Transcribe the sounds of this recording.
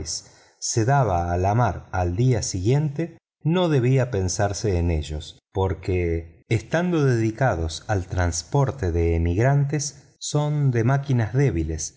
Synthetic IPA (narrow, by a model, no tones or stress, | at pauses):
sː | e̞ðaβaːlamaɾald̪iasiɣje̞nt̪e | no̞ðe̞β̞iape̞nsaɾseːne̞ʒo̞s | po̞ɾkeːst̪and̪o̞ðeðikað̞osalt̪ɾanspo̞ɾt̪eðeːmiɣɾant̪esː | o̞nd̪e̞makinazðeβile̞s